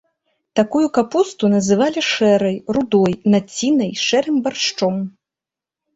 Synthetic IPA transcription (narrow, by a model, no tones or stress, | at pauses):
t̪akujukapust̪unɐzɨvalʲiʂɛɾɐjrud̪ɔjnat͡sʲːinɐjʂɛɾɨmbarʂt͡ʂɔm